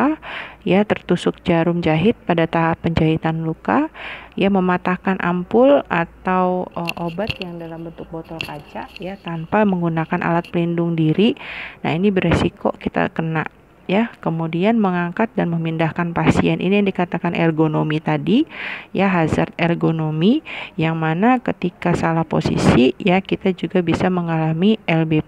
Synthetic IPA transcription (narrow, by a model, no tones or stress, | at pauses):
ajat̪ərt̪usʊk̚d͡ʒaɾʊmd͡ʒaɦɪt̪̚padat̪aɦapːəɲd͡ʒait̪anlukajaməmat̪ahkanʔa̰mpʊlat̪awəʔobat̪jaŋdalambənt̪ʊk̚bot̪ɔlkad͡ʒaʔjat̪ampaməŋɡunakanʔa̰lat̪̚pəlindʊŋdiɾina̰inibəɾesiko̰kit̪a̰kəna̰ʔ | jakəmudianməŋaŋkat̪̚danməmindahkanpasiɛnʔḭnijaŋdikat̪akanʔɛrɡonomit̪adijaɦazart̪ɛrɡonomijaŋmanakət̪ikasalahpo̰sḭsijakit̪ad͡ʒuɡabisaməŋalamiɛlbe